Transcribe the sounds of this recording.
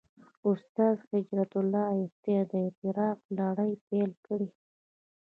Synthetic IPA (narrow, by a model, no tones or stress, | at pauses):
ʊst̪ɑzxɪd͡ʒɾat̪ʊlːɑɪst̪ed̪ət̪ɪɾɑqlɑɽəjpelkəɽi